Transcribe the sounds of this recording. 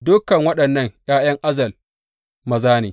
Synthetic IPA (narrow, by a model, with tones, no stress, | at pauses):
dʊ˦kːɐ˨ŋwɐ˦ɗɐ˨nːɐ˦ŋj̰aː˦j̰ɐ˦ŋʔa˦zɐ˨l | mɐ˨zaː˦neː˨